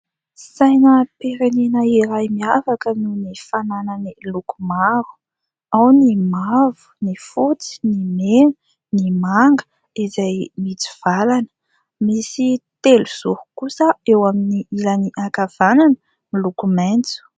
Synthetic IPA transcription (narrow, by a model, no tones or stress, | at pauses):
sajnəpeɾenenəiɾajmiavakəminifanananilukumaɾu̥ | awnimavu̥nifut͡si̥nimenu | nimaŋɡə̥ | izajmit͡si̥v̥alanə̥ | misit̪eluz̥uhu̥kusəewaminiilaniʔakav̥ananə | milukument͡su̥